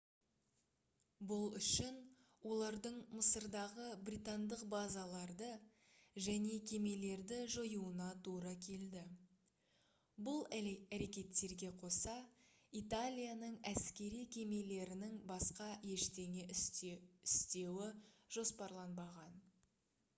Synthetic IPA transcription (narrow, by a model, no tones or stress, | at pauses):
bʊlˠʏʃɪn | wo̞lˠɑɾd̪əɴməsəɾd̪ɑʁəbrʲijt̪and̪əqbazalˠɑɾd̪ə | ʒæne̞kʲʰe̞me̞le̞ɾd̪ɪʒojuənɑt̪ʰuɾɑkʲʰe̞ld̪ɪ | bʊlˠææɾe̞kʲe̞t̪ːe̞ɾɡʲe̞qʰo̞sɑ | it̪alʲijanəɴæskʲe̞ɾijkʲʰe̞me̞le̞ɾɪnɪŋbɑsqɑje̞ʃt̪e̞ŋe | ɪst̪e̞wɪʒ̥o̞spɑɾlˠɑnbɑʁɑn